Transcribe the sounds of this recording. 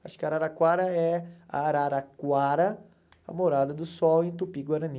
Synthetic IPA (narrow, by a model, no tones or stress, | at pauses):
a̰ʃʊ̥kɪaɾaɾakwaɾɐɛa̰ɾaɾakwaɾɐ | ɐ̰moɾad̪ɐd̪ʊsɔwẽj̃t̪upiɡwaɾɐ̃ni